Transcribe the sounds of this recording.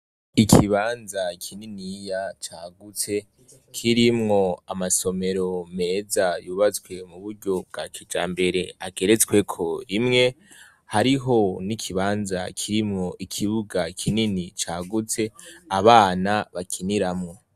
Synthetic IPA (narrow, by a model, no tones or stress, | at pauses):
ikʰiβaːnzakʰininijat͡ʃaːɡut͡se̞ | kʰiɾimŋo̞amaso̞me̞ɾo̞me̞ːzajuːβat͡skwe̞muβuɾɟo̞b̚ɡakʰid͡ʒa̰ːmbe̞ɾe̞aɡe̞ɾe̞t͡skwe̞kʰo̞ɾimŋe̞ | haɾiɦo̞nikʰiβaːnza̰kʰiɾimŋo̞ʔikʰiβuɡakʰininit͡ʃaːɡut͡se̞aβaːnaβakʰiniɾamŋo̞